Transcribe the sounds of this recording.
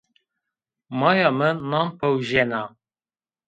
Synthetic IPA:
mɑːjɑmənːɑmpʰəwʒɛnɑ

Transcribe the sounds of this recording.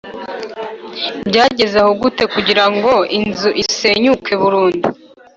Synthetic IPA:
bɟaːɟe̞zehoɡute̞kuɟiɾaŋɡo̞inzuʔise̞ɲukʰe̞βuɾuːndu

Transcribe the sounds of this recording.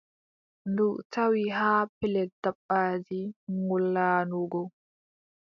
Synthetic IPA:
nduʔtawiɦaːpɛlɛdaɓːaːd͡ʒiŋulːaːnuɡɔ

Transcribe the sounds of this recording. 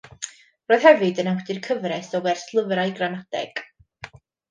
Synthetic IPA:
roːɨð̥hɛvɨdənawdɪrkʰəvrɛsɔwɛrslˠəvrajɡranad̥ɛ̰ɡ̥

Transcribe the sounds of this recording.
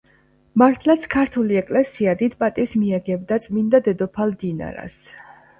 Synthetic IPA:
maɾt̪ʰlat̪sʰkʰaɾt̪ʰuliɛkʼlɛsiad̪id̪pʼat̪ʼifsmiɛɡɛbd̪at̪sʼmind̪ad̪ɛd̪ɔpʰald̪ina̰ɾa̰s

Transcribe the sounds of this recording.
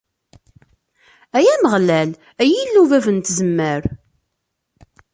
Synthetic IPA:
æjæməʁlæl | æjilːuvævənt̪zəmːəɾ

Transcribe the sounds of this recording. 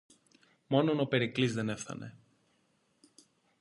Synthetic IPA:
mo̞nonope̞ɾiklizðe̞ne̞fθɐ̰ne̞̰

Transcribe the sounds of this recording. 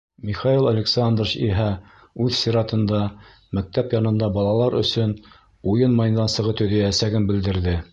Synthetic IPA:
mʲiχɑilˠɐlʲɪksand̪rəɕḭɦæ | ʉðsʲiɾɑt̪ɤ̆nd̪ɑ | mæk̚t̪æpjɑnɤ̆nd̪ɑbɑlˠɑlˠɑɾɵ̰̆sɵn | ujɤnmɑjnːɑnsɤ̆ʁɤt̪ɵ̆ðæjæsæɡɘnbɘ̆ld̪ɘ̆ɾðɘ

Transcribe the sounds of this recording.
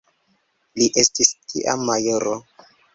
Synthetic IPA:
liʔestiskʰḭʔa̰mːajoɾo

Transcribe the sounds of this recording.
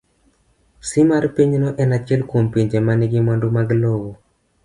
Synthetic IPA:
simaɾpiɲnɔʔɛnat͡ʃɛlkompiɲd͡ʒemaniɡɪmandumaɡlowɔ

